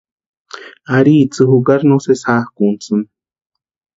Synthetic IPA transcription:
aɾiːt͡sɨhukaɾnosesaːhkunt͡sɨn

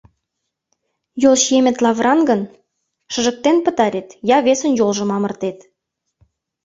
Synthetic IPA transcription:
jolˠʃemĕt̪lɑvrʔɑnɡən | ʃə̆ʒə̆k̚t̪enpət̪ɑɾʲet̪jɑβesənjolʒə̆mɑmə̆rt̪et̪

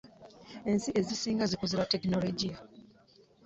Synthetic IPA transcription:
e̞nsiʔe̞zisiːŋɡazikoziɾatekinoloɟija

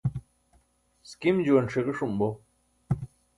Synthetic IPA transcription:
skimd͡ʑuɐnʂeɣeʂumbo

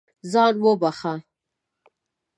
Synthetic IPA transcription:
zɑnwəbaχa

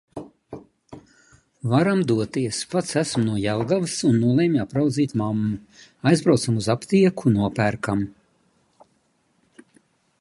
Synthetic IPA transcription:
vaɾamd̪uɔt̪iɛspat̪sæsmnuɔjalˠɡavɨsunːulˠeːmʲapɾawd̪ziːt̪mamːuajzbɾawt̪samuzapt̪iɛkʰunuɔpæɾkam

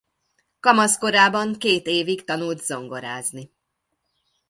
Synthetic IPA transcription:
kɒmɒsko̞ɾaːbɒŋkeːt̪eːvikt̪ɒnult̪z̥o̞ŋɡo̞ɾaːzni

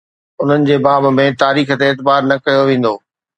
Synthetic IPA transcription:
ʊn̤ənɪ̆d͡ʑeːbaːbmẽt̪aːɾiːxə̆t̪eːt̪baːɾnɐkɐjoʋẽːn̆d̪oː

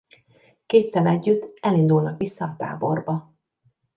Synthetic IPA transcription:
keːt̪ːɛnɛɟːyt̪ːɛlind̪ulnɒkʋisːɒːt̪a̰ːbo̞rbɒ

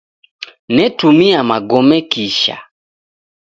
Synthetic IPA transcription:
nɛtumiamaɡɔmɛkiʃa̰

